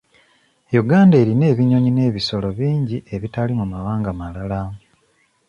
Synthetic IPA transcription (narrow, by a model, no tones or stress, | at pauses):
juɡaːndeːɾine̞ːβiɲo̞ɲine̞ːβiso̞lo̞βiːɲɟiʔe̞βitalimumawaːŋɡamalala